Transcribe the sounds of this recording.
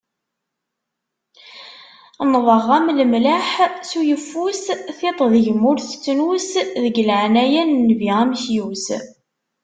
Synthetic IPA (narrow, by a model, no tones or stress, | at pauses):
nðˤəʁːæmləmlaħsujəfːusθet̪ˤðʝəmːʊɾθt͡sːnusðəɡlʕnæjænːviʁæmçjus